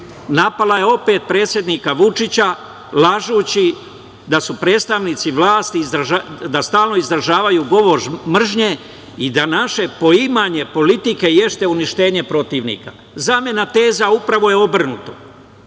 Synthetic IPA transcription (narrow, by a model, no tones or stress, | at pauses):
napalajeo̞pe̞ːt̪̚pɾeːt̪sje̞d̪nikaʋut͡ʃit͡ɕa | laʒuːt͡ɕi | d̪asupɾe̞ːt̪st̪aʋniːt̪siʋlˠaːst̪iːzd̪ɾaʒad̪ast̪aːlno̞izd̪ɾaʒaːʋajuɡo̞ʋo̞ʒmr̩ʒɲe̞ | id̪anaʃe̞po̞imaɲe̞po̞lit̪ike̞je̞st̪e̞uniʃt̪e̞ːɲe̞pɾo̞t̪iːʋnḭka̰ | zaːmje̞nat̪e̞ːzaupɾaʋo̞je̞o̞br̩nut̪o